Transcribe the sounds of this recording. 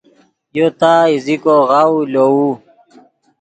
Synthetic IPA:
jot̪aːizikoɣawulou

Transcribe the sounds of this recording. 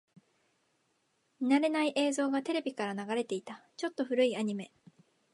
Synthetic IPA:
mʲinaɾe̞naiʔe̞ːzo̞ːɡat̪e̞ɾe̞bʲikaɾanaɡaɾe̞t̪e̞it̪at͡ɕo̞t̪ːo̞ɸɯ̟ɾɯ̟iaɲ̟ime̞

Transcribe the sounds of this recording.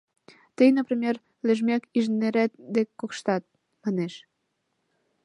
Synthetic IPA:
t̪əjnəprimʲer | leʒmækiʒneɾæt̪̚d̪ekkːokʃt̪ɑt̪̚ | mɑneʃ

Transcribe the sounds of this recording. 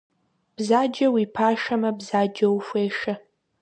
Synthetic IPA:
b̥zaːd͡ʒɐwiːpʰaːʃɐmɐbzaːd͡ʒɐwfʷeːʂɐ

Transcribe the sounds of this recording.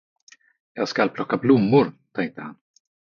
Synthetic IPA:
jɑːɡskalpʰlɔkːablʊmːʊɾt̪ʰɛŋk̚t̪əhan

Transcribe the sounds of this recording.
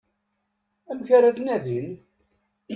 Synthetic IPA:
æmçaɾæθnæðin

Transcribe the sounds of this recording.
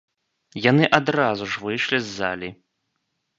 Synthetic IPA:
janɨʔad̪ɾazuʐvɨjʂlʲizːa̰lʲi

